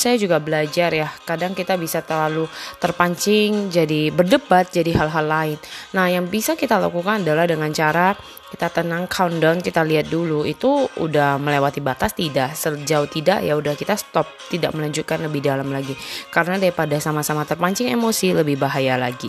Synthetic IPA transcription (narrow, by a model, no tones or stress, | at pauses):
sajad͡ʒuɡabəlad͡ʒarjahkadaŋkit̪abisat̪ərlalut̪ərpaɲt͡ʃɪŋd͡ʒadibərdəbat̪̚d͡ʒadiɦalɦalːaɪnːahjaŋbisakit̪alakukanadalahdəŋant͡ʃaɾa | kit̪at̪ənaŋkʰaundɔnkit̪aliɦat̪̚duluit̪uṵdahməlewat̪ibat̪ast̪idaʔsəd͡ʒaʊt̪ida̰ʔjaudahkit̪ast̪ɔp̚t̪idaʔməlaɲd͡ʒut̪̚kanləbɪhdalamlaɡikaɾənadaipadasamasamat̪ərpaɲt͡ʃɪŋemosiləbɪhbaɦajalaɡi